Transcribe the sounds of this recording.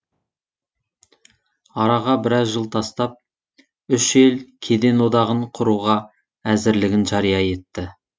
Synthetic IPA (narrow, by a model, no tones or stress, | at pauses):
ɑɾɑʁɑbɪɾɑzʒəlˠt̪ʰɑst̪ɑp̚ | ʏʃe̞lkʲʰe̞d̪e̞nwo̞d̪ɑʁəɴqʰʊɾuʁɑ | æzɪɾlɪɡʲɪnʒɑɾijɑje̞t̪ːɪ